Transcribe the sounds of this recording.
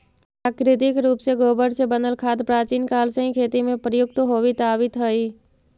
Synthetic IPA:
ppɾaːkɾɪt̪ɪkɾuːpseɡoːbəɽsebənəlkʰaːd̪pɾaːt͡ʃiːnkaːlsə̃ɦĩkʰeːt̪imẽpɾəjʊk̚t̪ɦoːʋit̪aːʋɪt̪ɦəiː

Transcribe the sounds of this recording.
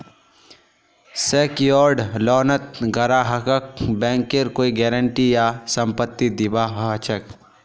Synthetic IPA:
seːkijɔːɾɖlɔːnət̪̚ɡɐɾaːɦɐkək̚bɛ̃ːŋkeɾkoːiɡɛːɾəɳʈijasɐ̃mpət̪ːid̪ɪbaːɦt͡ʃʰək

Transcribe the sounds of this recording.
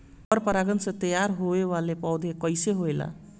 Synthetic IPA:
pʌrpʌɾaɡʌnsʌt̪ʌjarɦoewalepawd̪ʱekʌjseɦoela̰

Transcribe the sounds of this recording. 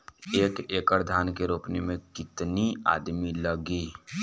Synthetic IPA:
eːkeːkəɾd̪ʱaːnkeɾoːpnimẽkɪt̪nia̰ːd̪miləɡiː

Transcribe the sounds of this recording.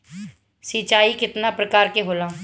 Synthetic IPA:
sit͡ʃaːiːkɪt̪naːpɾəkaːɾkeːɦoːlaː

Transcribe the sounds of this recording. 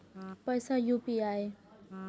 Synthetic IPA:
pəjsajuːpiaːeː

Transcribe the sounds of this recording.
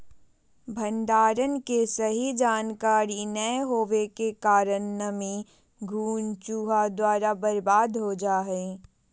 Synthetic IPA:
bʱɐ̃nd̪aːɾənkesɐɦid͡ʒaːnkaːɾinəɦoːʋekekaːɾənːəmẽ | ɡʱuːnt͡ʃuːɦad̪waːɾabɐɾbaːd̪ɦod͡ʒaːɦɛe

